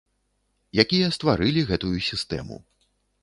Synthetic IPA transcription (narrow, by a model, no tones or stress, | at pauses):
jakʲijɐst̪vaɾɨlʲiɣɛt̪ujusʲist̪ɛ̰mṵ